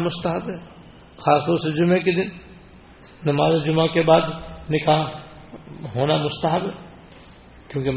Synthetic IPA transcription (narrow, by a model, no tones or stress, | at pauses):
mʊst̪əɦəbɦɛ | xaːst̪ɔɾsed͡ʒʊmek̬ed̪ɪn | nɐmaːzed͡ʒʊmakebaːd̪nɪkaɦ | ɦoːnamʊst̪əɦəbɦɛ | kjõːke